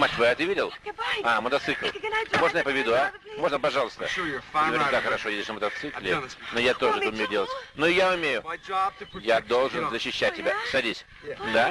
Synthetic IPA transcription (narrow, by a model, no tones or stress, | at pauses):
matʲt̪vjat̪ɨvʲidʲɪlˠamət̪ɐt̪sɨklʲˠmo̞ʐnəjapəvʲɪd̪uamo̞ʐnəpɐʐɑlˠəst̪ə̰vʲeɾnɡ̪axəɾɐʂojedʲɪʂnəmət̪ɐt̪sɨklʲɪnojat̪o̞ʐɨɛt̪ʊmʲejʊdʲe̞lˠətʲnojaʊmʲejʊ | jad̪o̞lˠʐɨnzəɕːɪɕːæt̚ʲtʲːɪbʲasɐdʲisʲ | d̪a